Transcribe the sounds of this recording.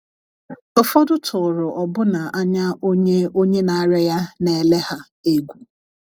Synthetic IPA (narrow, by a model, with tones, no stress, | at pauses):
ʊ˦fɔ˦dʊ˦tʰʊ˨ɾʊ˨ʔɔ˨bʊ˦na˨ʔa˦ɲa˦o˦ɲe˦o˦ɲe˦na˨˦ɾe˦ja˦ne˨le˦ha˦ | e˦ɡʷu˨